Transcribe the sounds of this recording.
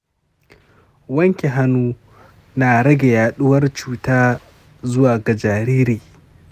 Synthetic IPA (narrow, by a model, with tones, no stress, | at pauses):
wɐ˦ŋkʲe˨ɦa˦nuː˦ | na˨ɾɐ˦ɡʲe˨jaː˨ɗʊ˦wɐ˦rt͡ʃuː˦taː˦ | zʊ˦waː˨ɡa˨d͡ʒaː˨ɾiː˦ɾiː˨